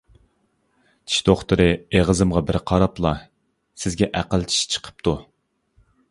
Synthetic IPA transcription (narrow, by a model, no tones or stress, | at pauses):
t͡ʃ̪ʰi̥ʃd̪̥oχt̪ɨɾɨeʁəzɨmʁɑbɪɾqʰɑɾɑplˠɑ | sɪzɡʲɛʔæqəlˠt͡ʃʰi̥ʃt͡ʃʰə̥qʰə̥p̚t̪ʰu